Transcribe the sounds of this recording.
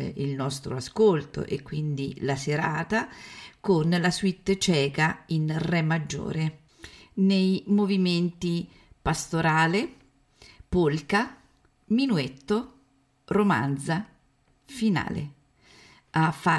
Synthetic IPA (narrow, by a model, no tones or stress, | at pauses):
ilnɔst̪ɾo̰askolt̪o̰ʔekːwind̪ilaseɾaːt̪akonlaswit̪ːt͡ʃɛːkainrɛmːad͡ʒːo̰ːɾe | nejmoviment̪i | past̪oɾaːle | polka | minuet̪ːo | roma̰nd̪za | fina̰ːlḛ | afːa